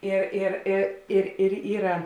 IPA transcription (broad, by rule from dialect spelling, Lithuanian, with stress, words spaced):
ˈɪr ɪr ˈɪ ɪr ɪr ˈiːrɐ